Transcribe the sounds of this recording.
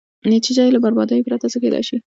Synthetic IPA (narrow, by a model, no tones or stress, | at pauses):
net͡ʃid͡ʒɑjelabaɾbɑd̪əjopɾat̪at͡səkelɑ̰jʃi